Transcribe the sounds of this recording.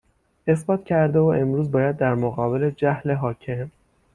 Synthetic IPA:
e̞sbɒːt̪ʰcʰæɾd̪e̞voʔe̞mɾuːzbɒːjæd̪̚ːæɾmoɣɒːbe̞le̞d͡ʒæhle̞ɦɒːcʰem

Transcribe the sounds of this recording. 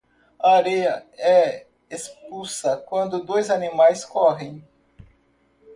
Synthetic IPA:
ɐaɾejɐɛ | espusɐkwɐ̃nd̪ʊd̪ojzɐnimajskɔɦẽj̃

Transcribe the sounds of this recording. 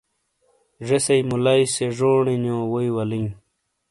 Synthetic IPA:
ʐesɐjmulajseʐoːɳinjõːwoiwɐliŋ

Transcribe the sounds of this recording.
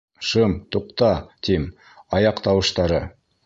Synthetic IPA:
ʃəmt̪uqt̪ɑt̪ʰem | ɑjɑqt̪ɑwə̆ʃt̪ɑɾə

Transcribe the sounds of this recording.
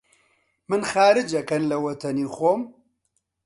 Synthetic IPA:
mɨnxaːɾɨd͡ʒɐkɐnlɐwɐt̪ʰɐniːxoːm

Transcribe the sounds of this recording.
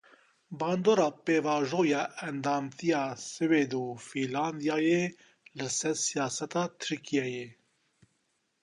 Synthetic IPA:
bɑːnd̪oːɾɑːpeːvɑːʒoːjɑːʔɛnd̪ɑːmt̪ʰijɑːsɨveːd̪ufilɑːnd̪ijɑːjeː | lɨsɛɾsijɑːsɛt̪ɑːt̪ʰɨɾkʰijɛjeː

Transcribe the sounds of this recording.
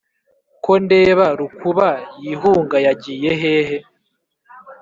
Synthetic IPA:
ko̞nde̞ːβaɾukuβajiɦuːŋɡajaɟiːje̞ɦe̞ːɦe̞

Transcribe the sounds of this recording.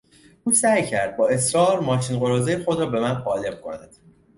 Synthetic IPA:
ʔuːsæjcʰæɾd̪̚bɒːe̞sɾɒːɾmɒːʃinɢo̞ɾɒːzejexo̞d̪ɾɒːbe̞mænχɒːle̞b̥̚kʰo̞̰næd̪̥

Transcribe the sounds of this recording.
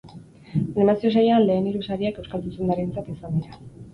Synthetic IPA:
animasio̞sejeanle̞ːniɾusaɾiakewskalt̪usend̪aɾe̞nt͡sat̪isand̪iɾa

